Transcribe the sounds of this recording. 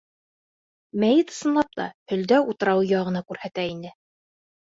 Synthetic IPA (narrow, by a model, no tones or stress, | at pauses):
mæjɘt̪ɤ̥̆sɤ̆nlˠɑp̚t̪ɑ̰hɵ̆ld̪æut̪ɤ̆ɾɑwjɑʁɤ̆nɑkʉɾhæt̪æinɘ